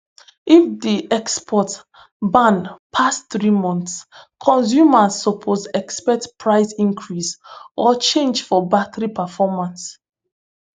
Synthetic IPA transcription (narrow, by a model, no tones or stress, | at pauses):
ifdiʔɛkspʰɔt | bãnpʰasθɹimɔ̃nθskʰɔ̃ns̬jumasːɔpʰozɛkspɛk̚tpʰɹaɪsĩŋkʰɹisɔt͡ʃẽnd͡ʒfɔbatɹipɛfɔmãns